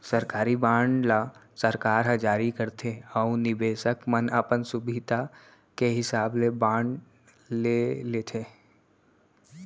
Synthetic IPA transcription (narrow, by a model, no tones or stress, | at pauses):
səɾkaːɾibãːɳlasəɾkaːɾɦəd͡ʒaːɾikəɾt̪ʰeɔũnɪbeːsəkmənəpənsʊbʱid̪a | keɦɪsaːblebãːɳ | leleːt̪ʰeː